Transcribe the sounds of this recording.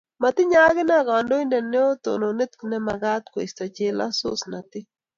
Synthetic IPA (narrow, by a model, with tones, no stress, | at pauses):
ma˨t̪ɪ˦ɲaː˦ɣɪ˦na˦ɡaː˨ndo˦indɛ˨ne˦o˦t̪o̰˨no˨nɪ˦t̪kɪnɛ˦ma˨ɡa˦t̪̚kwḛ˨st̪a˨t͡ʃe˦la̰˦sʊ̰˦sna˨t̪ɪ˦